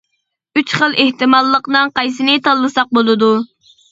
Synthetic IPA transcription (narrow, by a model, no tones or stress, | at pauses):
yt͡ʃχəlˠeht̪ɨmɑlˠːəqnɨŋqɑjsɨnɪt̪ʰɑlˠːɨsɑq̚bolˠɨd̪u